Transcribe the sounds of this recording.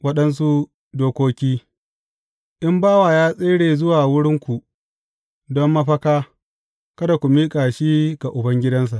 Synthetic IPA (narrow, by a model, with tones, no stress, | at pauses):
wɐ˦ɗɐ˦ns̬u˦ | doː˦kʷoː˦kʲiː˦ | ʔɪ˦mbaː˦waː˨jaː˦sʼeː˦ɽeː˨zʊ˦waː˨wʊ˦ɽɪ˦ŋkʷu˨ | dɔ˦mːɐ˦ɸɐ˦kaː˦ | kɐ˦da˨kʷu˨miː˦kʼaː˨ʃiː˦ɡa˨ʔʊ˨bɐ˦ŋɡʲɪ˦dɐ˦ns̬a˨ʔ